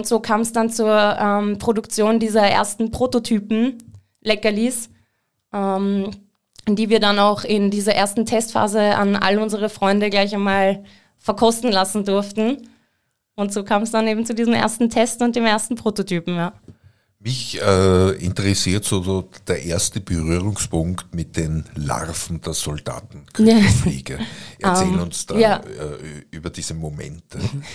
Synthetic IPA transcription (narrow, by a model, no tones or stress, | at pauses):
ʊntz̥oːkʰaːmɛsd̥ant͡suɐʔɛmpʁ̥odʊkt͡sjoːndiːzɐʔḛːɐstn̩pʁ̥oːtotʰyːpm̩ | lɛkɐliːs | ʔɛm | d̥iːviːɐdanaʊxɪndiːzɐʔeːɐstn̩tʰɛstfa̰ːzəa̰nʔa̰ləʊnzəʁəfʁ̥ɔʏndəɡlaɪçaɪnmaːl | fɛɐkʰɔstn̩lasn̩dʊɐftn̩ | ʊntz̥oːkʰaːmsd̥aneːbm̩t͡sudiːzm̩ʔḛːɐstn̩tʰɛstʊnt̚d̥eːmeːɐstn̩pʁ̥oːtotʰyːpm̩jaː | mɪçɛːɪntəʁɛsiːɐtsoːd̥eːɐʔeːɐstəb̥əʁyːʁʊŋspʰʊŋktmɪt̚d̥enla̰ʁfn̩d̥eːɐz̥ɔld̥a̰ːtn̩kʰaeːɡ̥əʔɐʔɐɛt͡sːeːmnʊnsd̥aaːɛyːbɐdiːz̥əmomɛ̰ntʰə